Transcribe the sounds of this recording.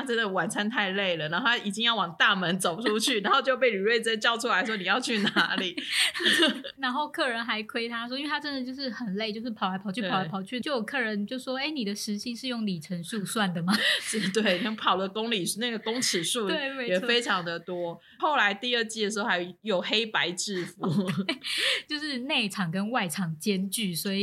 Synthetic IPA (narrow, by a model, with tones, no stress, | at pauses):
a˥ʈ͡ʂə˦˥nd̪ə˨wa˨˩nt͡sʰa˥nt̪ʰa˥˧ɪle˥˩ɪlə˩na˧˦nxo˥˩a˥i˨˩t͡ɕi˥ŋjɑ˥˩ʊwɑ˨˩ŋt̪a˥˩mə˧˦nt͡so˨˩ʊʈ͡ʂʰu˦˥t͡ɕʰy˥˩na˨˦nxo˥˧ʊt͡ɕjo˥˧ʊpe˥˩ɪly˨˩ɻwe˥ɪt͡sə˥t͡ɕjɑ˥˧ʊʈ͡ʂʰu˥la˧˥ɪʂ̬wɔ˥ni˨˩jɑ˥˧ʊt͡ɕʰy˥˩na˧˦li˨˩ | na˧˥nxo˥˧ʊkʰɤ˥˩ɻə˧˥nxa˧˥ɪkʰwe˥ɪt̪ʰa˥swɔ˥i˥nwe˥˧t̪ʰa˥ə˦nd̪ə˨t͡ɕjo˥˧ʊʂ̬ɻ̩˥˩xə˨˩nle˥˩ɪt͡ɕjo˥˧ʊʂ̬ɻ̩˥pʰɑ˨˦la˧ɪpʰɑ˨˩ʊt͡ɕʰy˥˩pʰla˧˥pʰɑ˨˩ʊt͡ɕʰy˥˩t͡ɕjo˥˩ʊjo˨˩kʰɤ˥˩ɻə˧˦nt͡ɕjo˥˧ʊ˩ʂwɔ˥e˥ɪni˨˩d̪ə˩ʂɻ̩˧˥ɕi˥ʂɻ̩˥˧jʊ˥˩ŋli˨˩ʈ͡ʂʰə˧˦˥nʂu˥˧swa˥˩nd̪ə˩mɐ˩˥t̪we˥˩ɪni˨˩ɛ˥ŋpʰɑ˨˩ʊlə˩kʊ˦ŋli˨˩˧na˥˩ɡə˩kʊ˥ŋʈ͡ʂ̩ʰ˨˩ʂu˥˩t̪we˥˩ɪe˧ɪjɛ˨˩˧fe˥ɪʈ͡ʂʰɑ˧˦ŋd̪ə˨t̪wɔ˥ | xo˥˩ʊla˧˦ɪt̪i˥˧ə˥˧t͡ɕi˥˩də˩ʂɻ̩˧xo˥˩a˧˩jo˨˩ʊxe˥ɪpa˧˦ɪʈ͡ʂɻ̩˥˧fu˨˥˦ | t͡ɕjo˥˧ʊʂɻ̩˥˧ne˥˩ɪʈ͡ʂʰɑ˨˩ŋkə˦˥nwa˥˩ɪʈ͡ʂʰɑ˨˩ŋt͡ɕjɛ˦˥nt͡ɕy˥˩swɔ˧˦˥i˨˩